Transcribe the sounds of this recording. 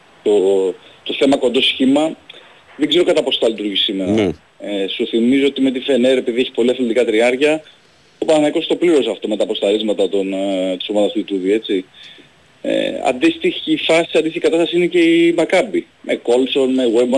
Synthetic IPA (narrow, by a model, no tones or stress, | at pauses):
t̪ot̪o̞θe̞mɐko̞nd̪o̞sçimɐ | ðeɡze̞ɾo̞kɐt̪ɐpo̞st̪ɐlit̪uɾʝisime̞ɾɐ | esuθimizoot̪imet̪ife̞neɾe̞piðie̞çi̥po̞liɐfld̪ikɐt̪ɾiɐɾcɐ | opɐnɐnɐekost̪o̞pliɾo̞sɐft̪o̞met̪ɐpo̞st̪ɐɾizmɐt̪ɐt̪ont̪u̥somɐðɐst̪uit̪uðie̞t͡si | ḛɐ̰nd̪ist̪içifɐsiɐnd̪ist̪içikɐt̪ɐst̪ɐsiinece̞imɐkɐbi | mʔeko̞lso̞nmeɣwebo